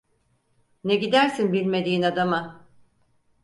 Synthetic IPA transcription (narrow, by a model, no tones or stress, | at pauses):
neɟid̪æɾsinbilʲme̞d̪iːnad̪ama